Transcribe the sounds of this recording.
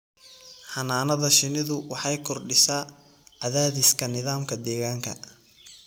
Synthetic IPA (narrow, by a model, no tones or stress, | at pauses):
ħɑnaːnɐðɐʃɪnɪðʊwɑħɑjkʰɔrɖɪsaː | ɐðaːðɪskʰɐnɪðaːmkʰɐd̪ɛːɣaːŋkʰɐ̰